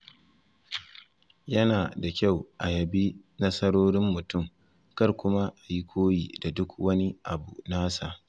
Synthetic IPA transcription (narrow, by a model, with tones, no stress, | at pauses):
jɐ˦naː˨da˨kʲa˦˨wʔa˨jɐ˨bi˦nɐ˦sɐ˦ɽoː˦ɽɪ˦mːʊ˨tʊ˦˨m | kɐ˦rkʷʊ˦ma˦ʔa˨ji˦kʷʰoː˦jiː˨da˨dʊ˦kwɐ˦ni˦ʔa˨bu˨naː˦saː˨